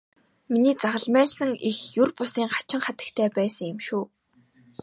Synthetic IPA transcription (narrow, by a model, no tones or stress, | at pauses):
miniːt͡saʁə̆ɮmæːɮsə̆ŋixjurpʊsiːŋχḁt͡ɕɪ̆ŋχat̪ə̆kt̪ʰeːpæːsə̆ŋjemʃuː